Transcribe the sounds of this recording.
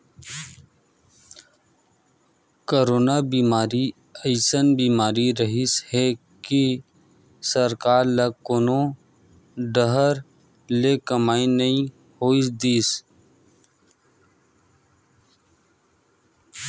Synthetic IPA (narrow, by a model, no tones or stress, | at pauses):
koːɾoːnabiːmaːɾi | əɪsənbiːmaːɾiɾəɦishɛ | ki | səɾkaːɾlɐkonõ | ɖəɦəɾ | lekəmaːinɐĩ | hoːisd̪iːs